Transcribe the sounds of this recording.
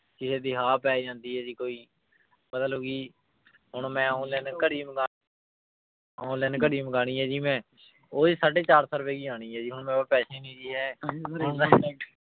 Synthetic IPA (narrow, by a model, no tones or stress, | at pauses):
kɪsẽːd̪iːɦaːpɛːd͡ʒãːnd̪iːɦɛːd͡ʒiːkoːiː | bət̪əlɦoɡiː | ɦʊɳmɛ̃ːaːʊ̃lɛːnkəɽiːmɡaː | aːʊ̃lɛːnkəɽiːmɡaːɽ̃iːɦɛːd͡ʒiːmɛ̃ː | oːd͡ʒisaːɖeːt͡ʃaːɾsəɾpeːkiːãːɽ̃iːɦɛːd͡ʒiːɦʊɳmɛ̃ːapɛːʃeːniːd͡ʒiːɦɛː